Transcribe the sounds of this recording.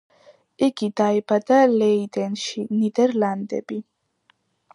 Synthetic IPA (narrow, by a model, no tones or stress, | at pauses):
iɡid̪aibad̪alɛid̪ɛnʃinid̪ɛɾland̪ɛ̰bi